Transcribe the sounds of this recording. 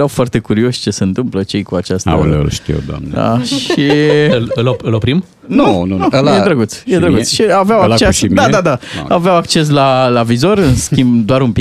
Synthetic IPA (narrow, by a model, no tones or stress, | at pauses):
ɾawfoart̪e̞kuɾio̞ʃʲt͡ʃe̞seɨnt̪ɨmplət͡ʃe̞jkuat͡ʃast̪ə̰lʃt̪ḭd̪a̰ma̰ʃiɨlopɨlopɾim | nunuujeɾəɡut̪sjet̪ɾəɡutsʃiaveawaat͡ʃesd̪ad̪ad̪a̰aveawak̚t͡ʃe̞s̬lalavizo̞rɨnskʲimbd̪oaɾumpi